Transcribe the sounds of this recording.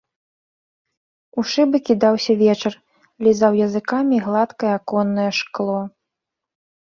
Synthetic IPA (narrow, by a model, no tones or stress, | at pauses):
uʂɨbɨkʲid̪awsʲɐvʲɛt͡ʂɐr | lʲizawjɐzɨkamʲiɣlˠat̪kɐjɛakɔnːɐjɛʂklˠɔ